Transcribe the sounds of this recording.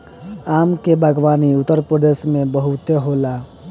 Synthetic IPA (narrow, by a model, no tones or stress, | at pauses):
aːmkebʱəɡʋaːniʊt̪ːəɾpɾəd̪eːsmẽbəɦut̪eɦola